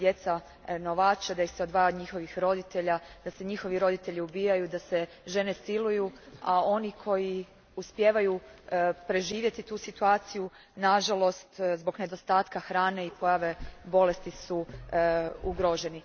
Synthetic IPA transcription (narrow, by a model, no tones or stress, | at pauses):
d̪je̞t̪sa | no̞ʋaːt͡ʃad̪ajixseo̞d̪ʋaːjaod̪ɲixo̞ʋixɾo̞d̪it̪e̞ʎad̪̥ase̞ɲixo̞ʋiɾo̞d̪it̪e̞ʎiubiːjajud̪ase̞ | ʒe̞ne̞silujuao̞nikʰo̞ji | uspje̞ːʋajupɾe̞ʒiːʋje̞t̪it̪uːsit̪uaːt̪siju | naʒalo̞st̪zbo̞ɡne̞d̪o̞st̪aːt̪kaxɾaːne̞ipo̞jaʋe̞bo̞le̞st̪isu | uɡɾo̞ʒe̞ni